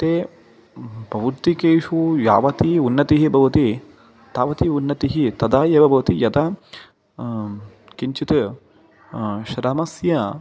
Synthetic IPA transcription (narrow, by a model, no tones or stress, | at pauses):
t̪eː | pɐʋud̪ikeːʃuja̰ːʋɐt̪iunːɐt̪iɦibʱɐʋɐt̪i | t̪aːʋɐt̪iunːɐt̪iɦit̪ɐd̪aːjeːʋɐbʱɐʋɐt̪ijɐd̪a | kiɲt͡ʃit̪ɨ | ʃɾɐmɐsjɐ